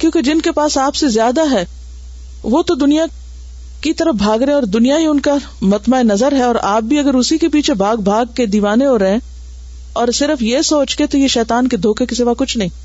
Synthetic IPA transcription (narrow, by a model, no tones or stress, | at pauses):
kjõːked͡ʒɪnkepaːsaːpsezjaːd̪aɦɛː | ʋoːt̪od̪ʊnija | kit̪ɐɾəfbʱaːɡɾeẽɔːɾd̪ʊnijaɦeʊnka | mɐt̪maːenɐzəɾɦɛɔːɾaːp̚bʱiɐɡəɾʊsikepiːt͡ʃʰebʱaːɡ̚bʱaːɡ̚ked̪iːʋaːneɦoɾɐɦẽ | ɔːɾsɪɾəfjesoːt͡ʃket̪ojeʃɛːt̪aːnked̪ʱoːkekiseːʋakʊt͡ʃʰnɐɦĩː